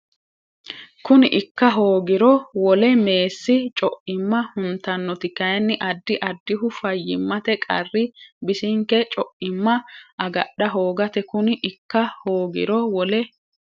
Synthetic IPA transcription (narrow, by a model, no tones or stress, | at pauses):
kʊnɪʔɪkːɐɦo̞ːɡɪɾɔwɔlɛme̞ːsːɪt͡ʃʼɔʔɪmːɐhʊnt̪ɐnːɔt̪ɪkːɐjɐnːɪʔɐd̪ːɪʔɐd̪ːɪɦʊfɐjːɪmːɐt̪ɛkʼɐ̰rːɪbɪsɪŋkːɛt͡ʃʼɔʔɪmːɐʔɐɡɐɗːɐɦoːɡɐt̪ɛkʊnɪʔɪkːɐhoːɡɪ̰ɾɔwɔlɛ